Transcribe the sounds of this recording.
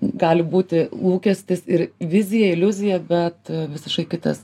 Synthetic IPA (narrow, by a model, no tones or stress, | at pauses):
ɡɑːlʲɪbuːt̪ʲɪlˠuːkʲɛsʲt̪ʲɪsɪɾʋʲɪzʲɪjɛɪlʲʊzʲɪjɛbʲɛt̪ʋʲɪsʲɪʃkɐɪkʲɪt̪ɐ̰s